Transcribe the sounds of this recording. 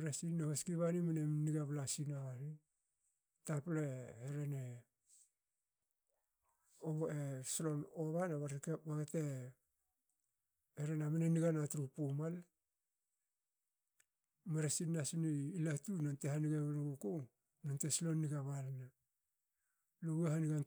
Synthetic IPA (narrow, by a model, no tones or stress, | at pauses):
ɾesinːohoskiβanimanemniɡaβlasinaβaɾi | tapleeɾene | oeslo̞noβanaβaɾkbaɡete | eɾenameneniɡanatuɾupumal | meɾasinːasiniːlatunantehaniɡaβnɡuko | nantesilo̞nːiɡaβalna | lowehaniɡan